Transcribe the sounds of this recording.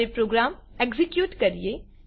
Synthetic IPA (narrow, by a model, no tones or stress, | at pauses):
epɾoːɡɾaːmekzɪkjuːʈkɐɾie